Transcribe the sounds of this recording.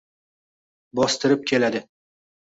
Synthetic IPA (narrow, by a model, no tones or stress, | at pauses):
bɒst̪ɪɾɪp̚kʲʰe̞lad̪ɪ